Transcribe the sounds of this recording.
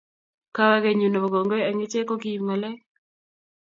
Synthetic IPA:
ka˦wa˦ɡe˨ɲu˨nɔ˨ɡo˨ŋɡo˦a˨ŋe˦t͡ʃe˦ko˦ɡi˦ma˨lɛ˦

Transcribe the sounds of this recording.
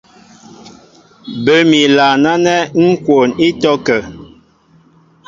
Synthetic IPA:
bə˨˦mi˨la˨na˦nɛ˦ŋ̩˦kwo˨ni˦tɔ˦kə˨

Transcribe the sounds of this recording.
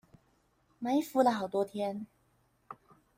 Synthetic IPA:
ma˧˥ɪfu˧˥lə˨˩xɑ˨˩ʊt̪wɔ˥t̪ʰjɛ˥n

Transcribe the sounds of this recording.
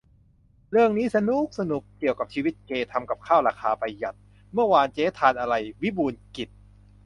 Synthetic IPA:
ɾɯ˥˩əŋniː˦˥sa˧nu˦˥˩k̚sa˧nu˨˩k̚kːi˨˩əwka˨˩p̚t͡ɕʰiː˧wi˦˥t̪̚keː˧t̪ʰa˧mka˨˩p̚kʰaː˥˩wɾaː˧kʰaː˧pa˧jːa˨˩t̪̚ | mɯ˥˩əwaː˧nt͡ɕeː˦˥t̪ʰaː˧nʔa˧ɾa˧jwi˦˥buː˧nki˨˩t̪̚

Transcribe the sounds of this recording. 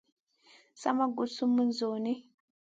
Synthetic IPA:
sa̰˦ma˦ɡu˨su˦mu˦n˦zo˨ni˦

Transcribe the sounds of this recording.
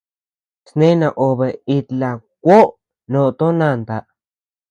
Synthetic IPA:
snẽ˦nã˧˨ʔo˨be˨i˧t̪la˨kʷo˦ʔ | nõ˧˨t̪o˦nã˧˨nd̪a˨ʔ

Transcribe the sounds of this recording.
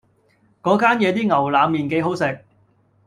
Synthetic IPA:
kɔː˨˥kaː˥njɛː˨˧t̪iː˥ŋɐ˨˩wlaː˨˧mːiː˨˩nke˨˥jɦo˨˥wsɪ˨k̚

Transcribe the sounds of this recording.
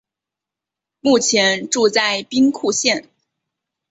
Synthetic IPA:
mu˥˩t͡ɕʰjɛ˧˥nʈ͡ʂu˥˧t͡sa˥˩ɪpi˥ŋkʰu˥˧ɕjɛ˥˩n

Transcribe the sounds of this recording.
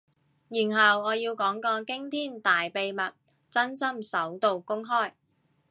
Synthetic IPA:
jiː˨˩nɦɐ˨wɔː˨˧jiː˧wkɔː˨˥ŋkɔː˧kɪ˥ŋt̪ʰiː˥nt̪aː˨jpe˨jmɐ˨t̚ | t͡sɐ˥nsɐ˥msɐ˨˥wt̪o˨wkʊ˥ŋɦɔː˥˩j

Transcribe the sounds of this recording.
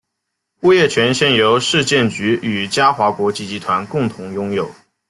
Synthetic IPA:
u˥˧jɛ˥˩t͡ɕʰɥɛ˧˥nɕjɛ˥˩njo˧˥ʊʂɻ̩˥˧t͡ɕjɛ˥˩nt͡ɕy˧˥y˨˩t͡ɕja˥xwa˧˥kwɔ˧˥t͡ɕi˧˥t͡ɕi˧˥t̪ʰwa˧˥nkʊ˥˩ŋt̪ʰʊ˧˥ŋjʊ˥ŋjo˨˩ʊ

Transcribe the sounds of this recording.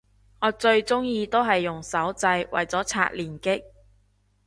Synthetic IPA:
ŋɔː˨˧t͡sɵ˧ɥt͡sʊ˥ŋjiː˧t̪o˥wɦɐ˨jːʊ˨˩ŋsɐ˨˥wt͡sɐ˧jwɐ̰˨jt͡sɔː˨˥t͡sʰa̰ː˧t̚liː˨˩nkɪ˥k̚

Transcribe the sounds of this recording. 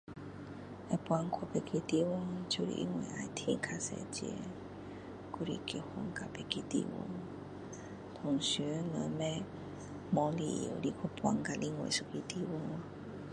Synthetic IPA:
ʔa˧˨pwa˧ŋkʰo˧˨pe˧ki˧t̪i˧wɔ˧ŋt͡ɕu˧lḭ˧ʔḭ˧ŋwe˧˨ʔa˧˨t̪ʰi˧˨kʰa˧sɛ̰˧˨t͡ɕḭ˧ | ku˧ɾi˧˨ki˧˩hɔ˧ŋka˧pe˧˨ki˧t̪ḭ˧wo̰˧ŋ | t̪ʰɔ˨ŋsy˧˦nə˧˦mɛ˧ | mɔ˧˦li˧˨ḭ˧˨li˧˩kʰu˧pwʷa˧˩ŋka˧li˧ŋwḛ˧˨su˧˩ki˧t̪i˧wɔ˧˦ŋ

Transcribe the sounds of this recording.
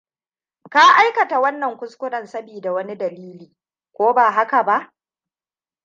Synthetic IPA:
ka˦ʔa˦jkɐ˨ta˨wɐ˦nːɐ˨ŋkʷʊ˦skʷʊ˦nɐ˨nsɐ˦biː˨da˨wɐ˦ni˦dɐ˨liː˦liː˨ | kʷoː˦baː˨ɦa˦ka˨ba˦ʔ

